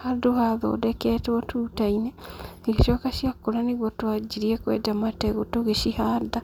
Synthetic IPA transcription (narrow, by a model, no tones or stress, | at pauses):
hadohaðo̰ːdɛkɛːtɔtuːtaineɣeʃɔːkaʃijakːoɾaneɣwɔtwad͡ʒiɾiɛkwɛ̰damatɛɣotoɣeʃihada